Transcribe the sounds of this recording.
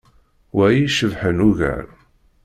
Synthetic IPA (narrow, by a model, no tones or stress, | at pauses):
wæjiʃəvħənuʝæ̰ɾ